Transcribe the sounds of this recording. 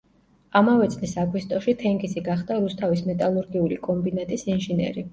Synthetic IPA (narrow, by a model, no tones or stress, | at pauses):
amavɛt̪sʼlisaɡwist̪ʼɔʃit̪ʰɛŋɡʼisiɡaχd̪aɾust̪ʰavismɛt̪ʼalˠuɾɡiulikʼɔmbinat̪ʼisinʒinɛ̰ɾi